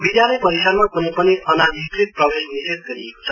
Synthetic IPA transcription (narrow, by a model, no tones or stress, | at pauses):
bid̪jalʌjpʌɾisaɾmakunipʌniʔʌnad̪ʱikɾit̪̚prʌbesniɾet̪̚ɡʌɾḭeko̥t͡sʰʌ